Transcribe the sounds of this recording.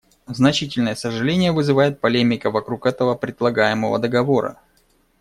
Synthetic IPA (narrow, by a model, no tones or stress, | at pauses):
znɐt͡ɕitʲɪlʲnəjəsəʐɨlʲenʲɪjəvɨzɨvajɪt̪̚pɐlʲemʲɪkəvɐkɾukɛt̪əvəpɾʲɪd̪lˠɐɡajɪməvə̰d̪əɡɐvo̞ɾə̰